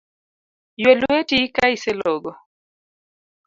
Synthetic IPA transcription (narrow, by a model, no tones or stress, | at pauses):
jweluetikaiselɔɡɔ